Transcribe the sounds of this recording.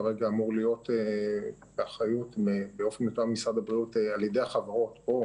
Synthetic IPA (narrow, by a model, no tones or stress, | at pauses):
aʁeɡaːmuʁlijo̞tebeaχajutebeo̞fenjotoamisʁad̪abʁiutealjedejaχavaʁo̞tbo